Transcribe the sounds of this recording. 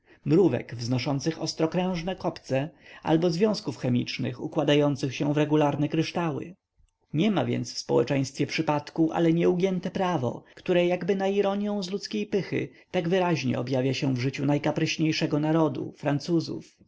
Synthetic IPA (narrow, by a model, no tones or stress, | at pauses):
mɾuvɛ̰ɡvznɔʂɔnt̪sɘxɔ̰st̪ɾɔkɾɛ̃w̃ʐnɛkɔpt̪sɛa̰lbɔzvʲjɔ̃w̃skufxɛmʲit͡ʂnɘ̰xṵkwad̪ajɔnt̪sɘxɕɛvɾɛɡulaɾnɛkɾɘʂt̪awɘ̰ | ɲɛma̰vʲjɛ̰nt̪sfspɔwɛ̰t͡ʂɛ̃j̃st̪fʲjɛpʂɘpat̪kuʔa̰lɛɲɛuɡʲjɛnt̪ɛpɾavɔ̰kt̪uɾɛjaɡbɘnaiɾɔɲjɔ̃w̃zlut̪skʲejpɘxɘ̰ | t̪aɡvɘɾaʑɲɛ̰ɔbjavʲjaɕɛvʐɘt͡ɕunajkapɾɛɕɲejʂɛɡɔnaɾɔd̪ṵfɾant̪suzṵf